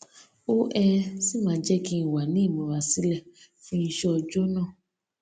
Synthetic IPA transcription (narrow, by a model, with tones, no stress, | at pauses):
o˦ʔɛ˧si˦mãː˧˦d͡ʒɛ˦ki˦n̩˨wa˨nĩ˨˦˨mõ˨˧ɾa˨si˦lɛ˦˨fĩ˧n̩˧ʃɔ˧ɔ˧d͡ʒo˦nãː˦˨